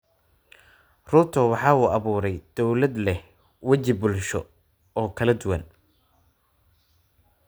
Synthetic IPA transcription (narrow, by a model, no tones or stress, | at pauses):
rʊt̪ʰɔwɑħɑːuːɐβuːɾɛjd̪̥ɔwlɐd̪lɛh | wɐt͡ʃɪbʊlʃɔ̰ | ɔːkʰɐlɐd̪ʊwɐn